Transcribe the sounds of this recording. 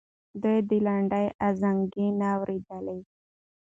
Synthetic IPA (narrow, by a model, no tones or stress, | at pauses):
d̪əjd̪ilaɳɖajʔazaŋɡinaːwɾid̪ale